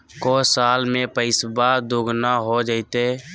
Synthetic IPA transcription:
kɔsaːlmepəɪsbad̪oɡnaɦod͡ʒaɪt̪e

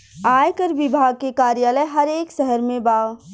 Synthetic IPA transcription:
aːjkəɾʋɪbʱaːɡ̚kekaːɾjaːləjɦɐɾeːkʃɛɦəɾmẽbaːw

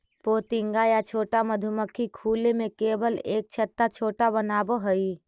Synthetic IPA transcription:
poːt̪ɪŋɡajat͡ʃʰoːʈaməd̪ʱuməkʰːikʰuːlemẽkeːbəleːk̚t͡ʃʰət̪ːat͡ʃʰoːʈabənaːboɦəi

